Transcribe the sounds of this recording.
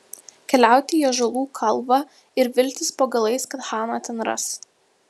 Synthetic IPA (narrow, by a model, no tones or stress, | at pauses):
kʲɛlʲæˑʊt̪ʲɪjoʒɐlˠuːkʰɐlˠbɑ | ɪɾʋʲɪlʲt̪ʲɪspoːɡɐlˠɐɪskɐt̪hɑːnɐt̪ʲɛnɾɐ̰s